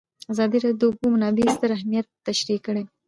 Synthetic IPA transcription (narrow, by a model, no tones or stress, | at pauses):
azɑd̪iɾɑd̪jobumanɑbist̪əɾahmijat̪ːaʃɾikːəɽe